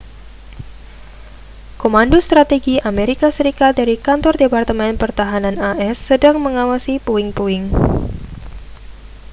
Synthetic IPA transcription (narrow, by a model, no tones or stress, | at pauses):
komandost̪ɾat̪eɡiʔameɾikasəɾikat̪̚daɾikant̪ɔrdepart̪əmɛnpərt̪aɦananaʔɛsːədaŋməŋawasipuɪŋpuɪŋ